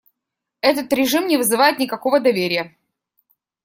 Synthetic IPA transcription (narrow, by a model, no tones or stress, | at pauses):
ɛt̪̬ət̪ɾʲɪʐɨmnʲɪvɨzɨvajɪt̪̚nʲɪkɐko̞vəd̪ɐvʲeɾʲɪjə